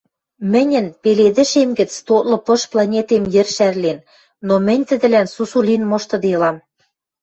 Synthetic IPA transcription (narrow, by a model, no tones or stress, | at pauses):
mɘ̆nʲɘ̆npeled̪ɘ̆ʃemɡɘ̆t͡st̪ot̪lɤ̆pɤ̆ʃplɑnʲet̪emjɘ̆rʃærlen | nomɘ̆nʲt̪ɘ̆d̪ɘ̆lænsusulʲinmŏʃt̪ɤ̆d̪eɤlɑm